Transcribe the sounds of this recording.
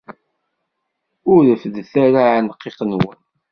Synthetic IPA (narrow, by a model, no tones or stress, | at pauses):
ʊɾəfðθæɾaʕnəqːeqnwən